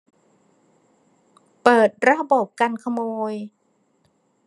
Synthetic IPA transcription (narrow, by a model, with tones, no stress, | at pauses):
pɤː˨˩t̪̚ɾa˦˥bo˨˩p̚ka˧nkʰa˧moː˧j